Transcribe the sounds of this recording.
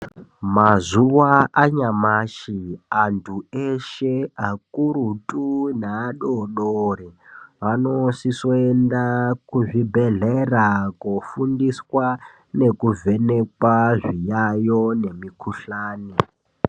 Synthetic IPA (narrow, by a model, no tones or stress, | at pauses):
mazuwaaɲamaʃiantʰueʃeakuɾutʼunaːɗoɗoɾeʋanosisoendakuʐibʱe̞ɮerakofundiswa | ne̞kuve̞nekwaʐijajone̞mikuɬaːni